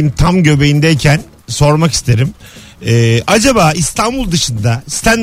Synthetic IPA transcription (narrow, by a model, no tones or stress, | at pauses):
imt̪ʰamɟø̞be̞jind̪ɛjcʰæn | so̞ɾmakist̪ʰe̞ɾim | ɛːad͡ʒabaːist̪ʰanbulˠd̪ɯʃɯnd̪ast̪ʰæn